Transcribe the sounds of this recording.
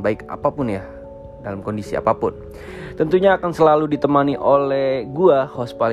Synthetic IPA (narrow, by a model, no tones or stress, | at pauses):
baɪka̰papʊnja | dalamkɔndisia̰papʊ̰n | t̪ənt̪uɲaːkansəlaludit̪əmaniʔolɛhɡuahɔspal